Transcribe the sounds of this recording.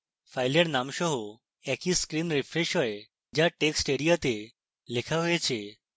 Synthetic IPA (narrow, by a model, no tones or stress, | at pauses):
fajleɽnamɕɔɦo | ɛkiskɾiːnɾifɾeɕɦɔj | d͡ʑjaʈeksʈeɽijat̪e | lekʰaʋəet͡ɕʰe